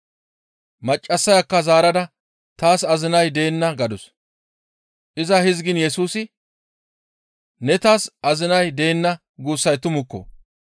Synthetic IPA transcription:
mɐt͡ʃʼːɐsːɐjɐkːɐzaːɾɐd̪ɐ | t̪aːsɐzɪnɐjd̪e̞ːnːɐɡɐd̪ʊs | ʔɪzɐhɪzɡɪnjɛsuːsɪ | nɛt̪aːsʔɐzɪnɐjd̪e̞ːnːɐ | ɡuːsːɐjt̪ʊmʊkːɔ̰

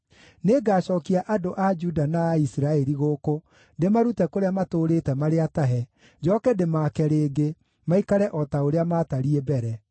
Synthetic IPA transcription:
neɡaːɕɔːkiaʔadoʔad͡ʒudanaːisiɾaɛɾiɣoko | ndemaɾutɛkoɾeamatoːɾeːtɛmaɾeataɦɛ | d͡ʒɔːkɛdemaːkɛɾeːɡe | maikaɾɛʔɔtaoɾeamaːtaɾiɛbɛɾɛ

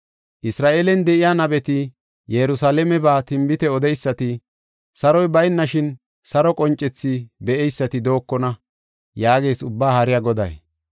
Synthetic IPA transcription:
ʔɪsɾaːʔeːlɛnd̪ɛʔɪjaːnɐbɛt̪ɪ | jɛɾʊsaːlɛmɛbaːt̪ɪmbɪt̪ɛɔd̪ɛjsːɐt̪ɪ | sɐɾɔjbɐjnːɐʃɪn | sɐɾɔkʼɔnt͡ʃʼːɛt͡sːibɛʔɛjsːɐt̪ɪd̪o̞ːkːɔnɐ | jaːɡe̞ːsʊbːaːhɐɾɪjaɡɔd̪ɐ̰j

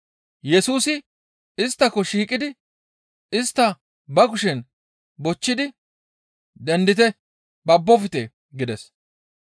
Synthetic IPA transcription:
jɛsuːsɪ | ɪst̪ːɐkɔʃiːkʼːɪd̪ɪ | ɪst̪ːɐ | bɐɡʊʃɛn | bɔt͡ʃːɪd̪ɪ | d̪ɛnd̪ɪt̪ɛ | bɐbːɔfɪt̪ɛ | ɡɪd̪ɛs

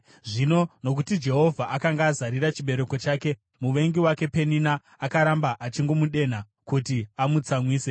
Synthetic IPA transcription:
ʐino̞no̞k̬utid͡ʒe̞ɦo̞vʱaʔakaŋɡaːzaɾirat͡ʃiɓe̞ɾe̞ko̞t͡ʃaːke̞ | muʋe̞ŋɡiwake̞pe̞ninaː | kaɾambaʔat͡ʃiŋɡo̞muɗe̞n̤a | kutiamut͡samwiːse̞

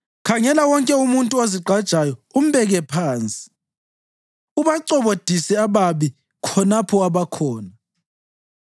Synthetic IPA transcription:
kʰaŋɛlawɔŋkʼɛumuntʼuoziɡ͡ǃʱad̥ʒ̥ʱajɔum̩βɛɣɛpʰaːnt͡sʼi̥ | uβaǀɔβod̥ʱisɛaβaβi | kʰɔnapʰɔaβakʰɔːna

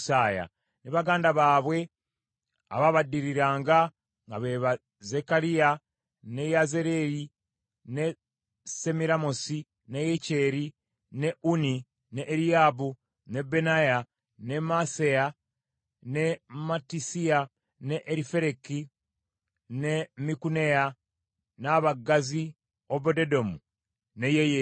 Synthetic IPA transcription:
saːja̰ | neβaɡaːndaβaːβwe̞ | a̰βaβadiɾiɾaːŋɡa | ŋɡaβe̞βa | zekaɾija | ne̞jazeɾeɾi | ne | semiɾamosi | nejece̞ːɾi | ne̞uni | neʔːɾijabu | nebenaja | nemaseja | nematisia | neʔːɾifeɾeki | nemikuneja | naβaɡazi | oβodedo̞mu | nejeje

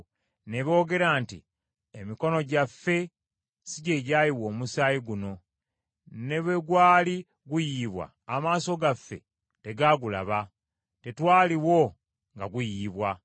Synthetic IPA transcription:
ne̞βo̞ːɡe̞ɾantḭ | emiko̞no̞ɟafːe̞ | siɟe̞ɟajiwo̞ːmusaːjiɡuno̞ | ne̞βwe̞ɡwaːli | ɡujiːβwa̰ːmaːso̞ɡafːe̞̰ | te̞ɡaɡula̰βa | te̞twaːliwo̞ | ŋɡaɡujiːβwa

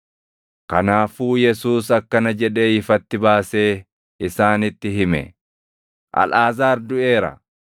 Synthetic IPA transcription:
kɐnaːfuːjɛsuːs̬ɐkːɐnɐd͡ʒɛᶑe̞ːɪfɐt̪ːɪbaːse̞ː | ɪsaːnɪt̪ːɪɦɪmɛ̰ | ʔɐ̰lʔaːzaːɾd̪ʊe̞ːɾɐ̰

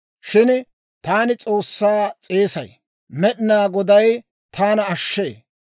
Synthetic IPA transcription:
ʃɪn | t̪aːnɪt͡sʼoːsːaːt͡sʼe̞ːsɐ̰j | mɛɗɪnaːɡɔd̪ɐj | t̪ʰaːnɐɐʃːe̞̰ː

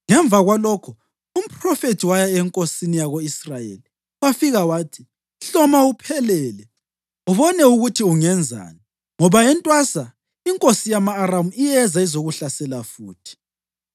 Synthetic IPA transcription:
ŋɛɱb̪vaɣwalɔkʰɔ | um̩pʰʼrɔfetʰiwajaɛŋkʼosinijaɣoisrajḛli | wafiɣawaːtʰi̥ | ɬɔmaupʰɛlɛːlɛ | uβɔnɛuɣutʰiuŋɛnd͡zʱa̰ːnɛ | ŋɔβajɛntʼwasa | iŋkʼosijamaːɾamuijɛzaizoɣuɬasɛlafuːtʰi̥

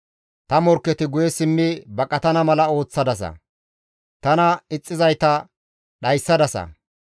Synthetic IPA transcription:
t̪ɐmɔɾkːɛt̪ɪɡʊjɛsɪmːɪbɐkʼɐt̪ɐnɐmɐlɐo̞ːt͡sːɐd̪ɐs̬ɐ̰ | t̪ɐnɐɪt͡sʼːɪzɐjt̪ɐ | ɗɐjsːɐd̪ɐsɐ̰

